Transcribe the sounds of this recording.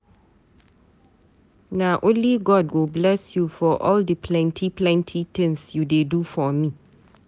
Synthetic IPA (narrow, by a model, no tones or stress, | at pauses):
nãʔoliɡɔdwɪblɛsjufɔʔɔldəpʰlɛ̃ntʰipʰlɛ̃ntʰitʰɛ̃nsjudedufɔmĩ